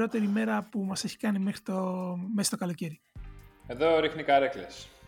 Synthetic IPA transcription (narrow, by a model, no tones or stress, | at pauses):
o̞t̪e̞ɾime̞ɾɐpumɐse̞çi̥kɐnime̞xɾit̪omest̪okɐlo̞ce̞ɾi | eðo̞ɾixnikɐɾekles